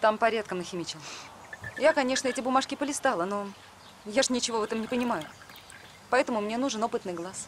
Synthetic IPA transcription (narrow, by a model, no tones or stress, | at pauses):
t̪ampɐɾʲat̪̚kəmnəxʲɪmʲɪt͡ɕɪlˠ | jakɐnʲe̞ʂnəɛtʲɪbʊmaʂkʲɪpəlʲɪst̪alˠəno̞ | jaʐnʲɪt͡ɕɪvo̞vɛt̪əmnʲɪpənʲɪmajʊ | pɐɛt̪əmʊmnʲenuʐɨno̞pɨt̪nɨjɡlˠas